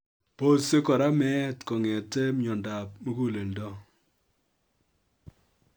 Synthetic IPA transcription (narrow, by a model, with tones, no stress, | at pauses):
po˦se˦kɔ˨ɾa˦mɛ˦tkɔ˨ŋɛ˨te˦m˦ɲɔ˨nda˨p̚mo˦ku˦le˨ldɔ˦